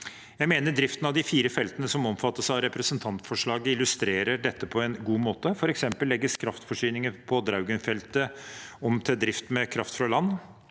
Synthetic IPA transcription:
jæɪmeːnəɖɾɪft̪ən̩ɑʋd̪ɪfiːɾəfɛlt̪ənəsɔmɔmfɑt̪ːəʂɑʋɾɛpɾəsənt̪ʰɑnt̪fɔʂɭɑːɡəɪlʉst̪ɾeːɾəɖɛt̪ːəpʰɔɛnɡuːmoːt̪əfɔɾɛksɛmpəlːɛɡːəskʰɾɑft̪fɔʂyːnɪŋəɾpʰɔd̪ɾaʉɡənfɛlt̪əɔmt̪ʰɛd̪ɾɪft̪mɛkʰɾɑft̪fɾɑlɑnː

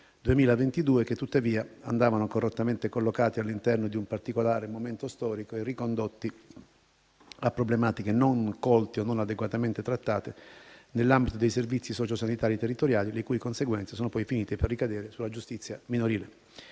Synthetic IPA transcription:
d̪uemiːlavent̪id̪uːeket̪ːut̪ːaviːaand̪aːvanokorːot̪ːament̪ekolːokaːt̪ialːint̪ɛrnod̪iumpart̪ikolaːɾemoment̪ost̪ɔːɾikoerːikond̪ot̪ːi | apːɾoblemaːt̪ikenoŋkɔlt̪ionːonad̪eɡwat̪ament̪et̪ɾat̪ːaːt̪enelːambit̪od̪ejservit̪sːisɔːt͡ʃosanit̪aːɾiet̪erːit̪oɾjaːlilekuːjkonseɡwɛnsesoːnopɔjfiniːt̪eperːikad̪ɛːɾesulad͡ʒust̪it̪sːjaminoɾiːle

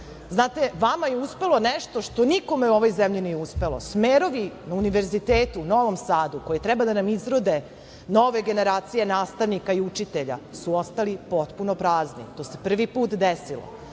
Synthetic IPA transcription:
znaːt̪eʋamajeuspe̞lˠo̞nɛʃt̪o̞ʃt̪o̞niko̞meuo̞ʋo̞jzemʎinijeuspe̞lo̞̰smeːɾo̞ʋinauniʋe̞ɾzit̪eːt̪uno̞ʋomsaːd̪uko̞jet̪ɾɛbad̪anamizɾod̪e | no̞ʋe̞ɡe̞ne̞ɾaːt̪sije̞naːst̪aʋnikaiut͡ʃit̪eʎa̰suo̞st̪alipo̞t̪punopɾaːznḭt̪o̞ːse̞pr̩ʋipuːt̪d̪esilo̰

